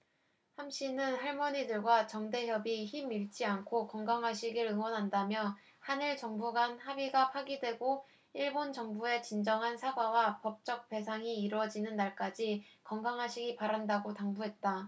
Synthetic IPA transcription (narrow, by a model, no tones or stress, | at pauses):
hamɕ͈ʰinɯnɦaɭmʌɲidɯɭɡwat͡ɕʌŋde̞ɦjʌbiçimiɭt͡ɕ͈iankʰokʌŋɡaŋɦaɕʰiɡɯɾɯŋwʌnɦandamjʌ | haniɭt͡ɕʌŋbuɡanhabiɡapʰaɡidwe̞ɡo | iɭbont͡ɕʌŋbue̞t͡ɕind͡ʑʌŋɦansʰaɡwawapʌp̚t͡ɕ͈ʌk̚p͈e̞sʰaŋiːɾwʌd͡ʑinɯnːaɭk͈ad͡ʑikʌŋɡaŋɦaɕʰiɡipaɾandaɡotaŋbuɦe̞t̚t͈a